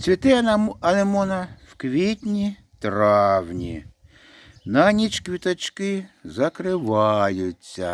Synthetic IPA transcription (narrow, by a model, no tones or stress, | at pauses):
t͡sʲʋʲit̪ɪnɐnemɔnɐwkʋʲitʲnʲi | t̪ɾɑwnʲḭ | nɐnʲit͡ʃkʋʲit̪ɐt͡ʃkɪzɐkɾɪʋɑjʊt͡sʲːɐ̰